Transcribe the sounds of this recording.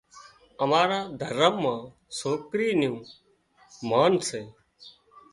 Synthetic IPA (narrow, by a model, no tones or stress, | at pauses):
əmaːɾaːd̪ʱəɾəmːãː | soːkɾiːnjũː | maːnseː